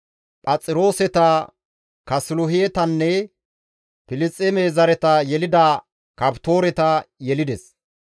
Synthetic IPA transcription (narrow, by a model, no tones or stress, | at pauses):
pʼɐt͡sʼːɪɾo̞ːsɛt̪ɐ | kɐsɪlʊɦɪjɛt̪ɐnːɛ | pɪlɪst͡sʼːɛmeːzɐɾɛt̪ɐjɛlɪd̪ɐ | kɐpt̪o̞ːɾɛt̪ɐjɛlɪd̪ɛs